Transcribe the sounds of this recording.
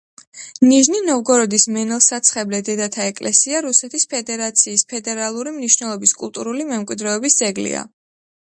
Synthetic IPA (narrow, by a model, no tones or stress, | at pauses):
niʒninɔvɡɔɾɔd̪ismɛnɛlˠsat̪sʰχɛblɛd̪ɛd̪at̪ʰaɛkʼlʔɛsiaɾusɛt̪ʰispʰɛd̪ɛɾat̪sʰiːspʰɛd̪ɛɾalˠuɾimniʃwnɛlˠɔbiskʼṵlˠt̪ʼuɾulimɛmkʼwid̪ɾɛɔbisd̪zɛɡlḭa̰